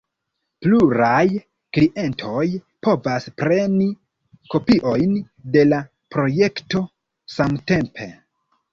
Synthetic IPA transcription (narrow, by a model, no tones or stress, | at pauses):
pluɾaj | kliʔe̞ntʰo̞j | po̞vaspɾe̞ni | ko̞piʔo̞jn | de̞la | pɾo̞je̞kto̞ | samte̞mpʰe̞